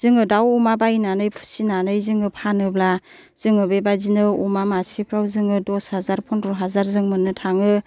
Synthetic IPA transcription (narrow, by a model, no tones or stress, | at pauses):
z̥ɯŋɯdawumabajnanɯjpʰu̥sinanɯjzɯŋɯpʰanɯbla | z̥ɯŋɯbebazinɯumamasipʰɾawzɯŋɯdɔshazaɾpʰɔndɔɦazaɾzɯŋmɯnːɯtʰaŋɯ